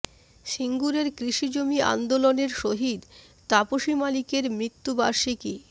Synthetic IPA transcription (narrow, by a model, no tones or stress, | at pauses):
ʃiŋɡuɾeɾkɾiʃid͡ʑomia̰nd̪oloneɾʃoɦid̪ | t̪apoʃimalikeɾmɾit̪ːubaɾʃiki